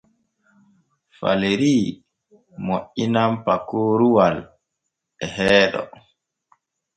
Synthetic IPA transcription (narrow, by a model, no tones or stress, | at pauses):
fa̰leɾiː | moʔinampakoːɾuwal | ɛhɛːɗɔ̰